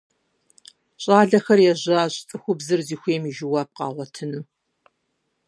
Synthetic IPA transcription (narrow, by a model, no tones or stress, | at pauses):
ɕʼaːɮɐxɐrjɛʑɐɕʼt͡sʼɨxʷʊbzɨrziːxʷeːmiʒɪwaːp̚qɑ̰ːʁʷɔtʰɨnɨ